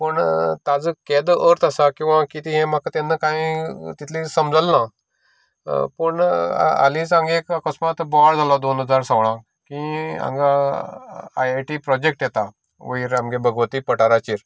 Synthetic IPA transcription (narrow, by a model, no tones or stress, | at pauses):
pəɳt̪ad͡zked̪əɾt̪ʰasakĩw̃ʋãkit̪iɦẽmakat̪enːəkãĩt̪it̪ʰlĩsəmd͡zəlːã | pəɳ̰a̰lĩt͡sãŋɡekakəsmat̪bɔɽd͡zʱalɔd̪onɦəd͡zaɾsəʋɭ̃ã | kĩa̰mɡa | a̰jaʈipɾɔd͡ʑek̚ʈjɛt̪a | ʋəiɾamɡebəɡʋət̪iːpəʈaɾat͡ɕiːɾ